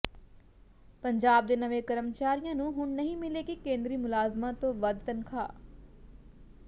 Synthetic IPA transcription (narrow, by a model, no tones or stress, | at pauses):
pəɲd͡ʒaːb̚d̪eːnəʋẽːkəɾəmt͡ʃaːɾijãːnũːɦʊɳnəɦĩːmɪleːkikẽːnd̪ɾiːmʊlaːzmãːt̪õːʋəd̪t̪ənkʰa̰ː